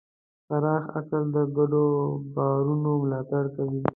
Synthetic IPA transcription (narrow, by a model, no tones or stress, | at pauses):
faɾɑxa̰kəld̪əɡaɖobɑɾunomlɑt̪aɽkawi